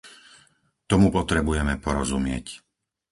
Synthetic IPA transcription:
t̪ɔmupɔt̪ɾɛbujɛmɛpɔɾɔzumɪɛ̰c

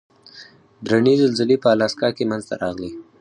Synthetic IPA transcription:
d̪ɾanezɪlzɪlepəalɑskɑkemanzt̪a̰ɾɑɣli

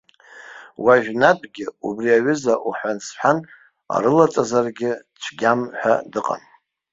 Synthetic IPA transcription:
waʒᶣnatʰʼɡʲɪubriaɥʏzaʔuħʷᶣansħʷᶣan | a̰ɾɨlat͡sʼazarɡʲɪ | t͡ʃʷʰɡʲamħʷa̰dɨqʼa̰n

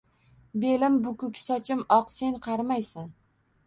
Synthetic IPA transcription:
be̞lɪmbʊkʊkʲsɒt͡ʃʰɪmɒqse̞nqʰɑɾmajsan

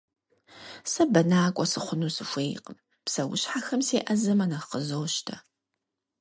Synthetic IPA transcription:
sɐbɐnaːkʷʼɔsɨχʷʊnuːsɨfʷeːjqəm | psɐwʊ̰ɕħaxɐmseːʔɐzɐmɐnɐqəzoːʃtʰɐ

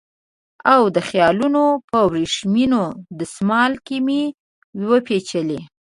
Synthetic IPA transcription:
awd̪əxjɑlunopəwɾeʂminod̪əsmɑlkimi | wwəpet͡ʃəle

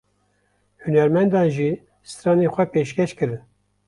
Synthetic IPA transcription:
hunɛɾmɛnd̪ɑːnʒiː | sɾɑːneːxʷɛpeːʃkʰɛʃkɨɾɨn

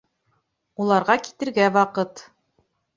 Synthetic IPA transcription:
ulˠɑɾʁɑki̥t̪ɘ̆ɾɡæwɑqɤt̪

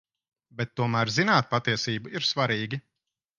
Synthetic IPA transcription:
bɛt̪ːuɔmæːɾzinaːt̪̚pat̪iɛsiːbuiɾsvaɾiːɡʲi

